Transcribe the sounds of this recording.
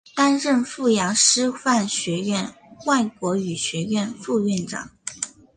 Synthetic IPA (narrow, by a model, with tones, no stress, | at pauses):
t̪a˥nɻə˥˧nfu˥˩jɑ˧˥ŋʂɻ̩˥fa˥˩nɕɥɛ˧˥ɥɛ˥˧nwa˥˩ɪkwɔ˧˥y˨˩ɕɥɛ˧˥ɥɛ˥˧nfu˥˧ɥɛ˥˩nʈ͡ʂɑ̰˨˩˦ŋ